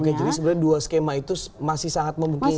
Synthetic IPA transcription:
kajd͡ʒadisəbəɾarduaskemait̪usmasɪhsaŋat̪̚məmuŋki

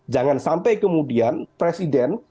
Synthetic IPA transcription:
d͡ʒaŋansampajkəmudianpɾesidɛn

